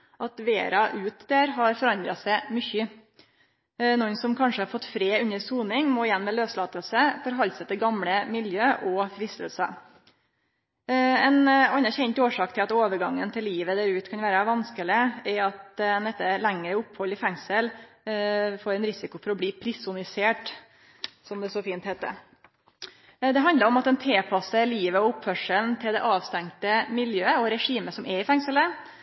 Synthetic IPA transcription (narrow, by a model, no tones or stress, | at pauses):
ʔɑt̪ʋḛːɾɑʔʉːt̪d̪æːɾɦɑɾfɔɾɑnd̪ɾɑsæɪmʏçə | nɔnsɔmkʰɑnʂəhɑɾfɔt̪ːfɾeːʉnːəɾsuːnɪŋmoːɪjɛnːmɛløːslɑːt̪əlsəfɔɾɦɑlsətd̪əɡɑmɽəmɪljøːʔɔfɾɪst̪əlsə̰ | ɛnɑnːɑɾçɛɲt̪oːʂɑːk̚t̪ʰɪlɑt̪oːʋəɾɡɑŋːənt̪ʰɪlːiːʋəd̪æːɾʉːt̪kʰɑnʋæːɾəʋɑnskəlɪɛɾɑt̪nɛt̪ːəlæŋːɾəʊphɔlːɪfɛŋsəl | foːɾɛnɾɪsɪkʊfɔɾɔbliːpʰɾɪsʊnɪseːʈ | sɔmd̪ɛsɔfiːnt̪hɛːt̪ːə̰ | d̪ɛɦɑnd̪ləɾɔmɑt̪ɛnt̪ʰeːpʰɑsəliːʋəɔʊpfœʂəln̩t̪ʰɪld̪ɛʔɑːʋst̪æŋt̪əmɪljøːəɔɾɛʂiːməsɔmɛɾɪfɛŋsələ